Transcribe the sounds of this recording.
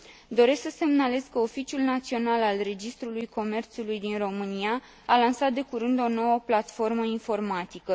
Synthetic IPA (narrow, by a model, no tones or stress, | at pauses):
d̪o̞ɾe̞sksəse̞mnale̞skəofit͡ʃijulnat̪sio̞nalalre̞d͡ʒist̪ɾulujko̞me̞rt̪sulujd̪inro̞mɨnia | alansat̪̚d̪e̞kuɾɨnd̪o̞no̞wəplat̪fo̞rməinfo̞rmat̪ikə